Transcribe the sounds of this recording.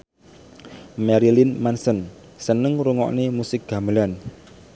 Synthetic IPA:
mɛɾilɪnmansən | sənəŋɾuŋɔ̰ʔnemusɪk̚ɡ̥a̤məlan

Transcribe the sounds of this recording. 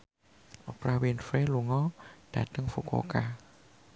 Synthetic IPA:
ʔɔpɾawinfeluŋɔd̥a̰t̪ɯŋfuko̰ka

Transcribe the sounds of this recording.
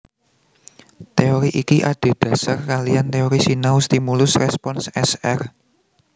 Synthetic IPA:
t̪eoɾiʔikiʔaɖ̪̥e̤d̪̥ä̤sarkalijant̪eoɾisinaust̪imulʊsrɛspɔnsɛsɛr

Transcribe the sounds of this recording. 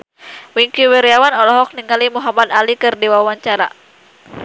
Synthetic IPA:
wiŋkiwɛɾiawanɔlɔɦɔk̚niŋalimuɦamad̪alikɨrdiwawaɲt͡ʃaɾa̰

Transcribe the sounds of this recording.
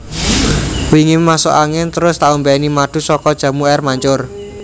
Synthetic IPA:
wiŋimaso̰ʔaŋɪnt̪əɾʊst̪aumbɛnimaɖ̪̥ṳsɔkɔd̥ʒ̥ä̤muɛrmaɲt͡ʃʊr

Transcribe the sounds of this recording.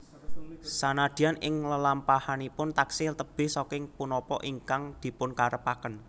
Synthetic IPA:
sanad̪̥i̤anʔɪŋləlampahanipʊnt̪aksɪlt̪əb̥ɪ̤hsɔkɪŋpunɔpɔʔiŋkaŋd̪̥i̤pʊnkaɾəpakən

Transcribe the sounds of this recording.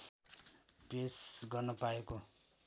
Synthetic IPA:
presɡʌrnʌpaeko

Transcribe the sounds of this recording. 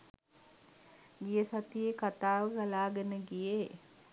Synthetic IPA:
ɡijəsat̪ijekat̪aːʋəɡalaːɡənəɡije

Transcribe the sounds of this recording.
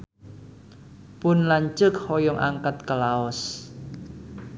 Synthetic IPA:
pʊnlaɲt͡ʃʊk̚hɔjɔŋʔa̰ŋkat̪kəlaɔs

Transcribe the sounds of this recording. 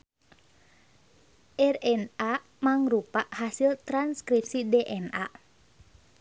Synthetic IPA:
ʔɛrɛna | maŋɾupaʔhasilt̪ɾanskɾip̚sidɛʔɛna

